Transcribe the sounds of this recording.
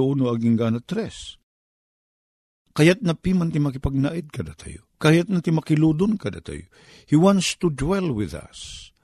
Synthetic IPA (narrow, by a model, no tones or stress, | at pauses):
ʊunoɐɡiŋɡanɐt̪ɾɛs | kɐjat̪̚nɐpiːmɐnt̪ɪmɐkɪpɐɡ̚naʔɪd̪̚kɐd̪at̪ʰɐ̰jo̰kajat̪̚nɐt̪imɐkɪluːd̪ʊnkɐd̪a̰t̪a̰jo̰ | hiwãnst̪ud̪wɛlwɪðɐ̰s